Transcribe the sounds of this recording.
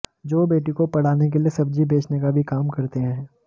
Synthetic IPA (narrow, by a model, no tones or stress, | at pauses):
d͡ʒoːbeːʈikopɐɽ̤aːnek̬eliesɐbd͡ʒibʱeːt͡ʃnekabʱikaːmkɐɾt̪eɦɛ̃ː